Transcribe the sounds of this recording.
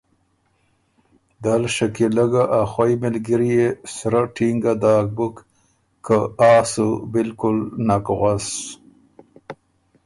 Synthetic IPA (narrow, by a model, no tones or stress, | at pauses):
d̪alʃakilaɡaʔaxwajmɪlɡiɾjesɾaʈiŋɡad̪aːk̚bukː | əaːsubɪlkʊlnakɣʷas